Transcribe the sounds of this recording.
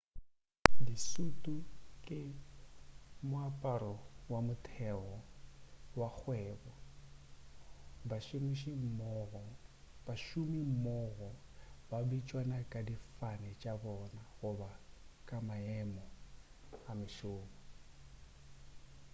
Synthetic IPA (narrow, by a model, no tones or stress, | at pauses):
disutʼukʼe | muapʼaɾɔwamutʰɛɣɔ | wak͡xwɛːβɔ | baʃimiʃimɔɣɔ | baʃumimɔɣɔbabit͡ʃʼwanakʼadifanɛt͡ʃʼaβɔnaɣuβakʼamaɛmɔ | amɪʃoːβɔ